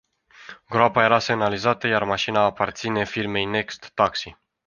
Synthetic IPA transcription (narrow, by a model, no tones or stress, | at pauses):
ɡɾoapaje̞ɾase̞nalizat̪əjarmaʃinaːpart̪sine̞firme̞jne̞kst̪ːaksi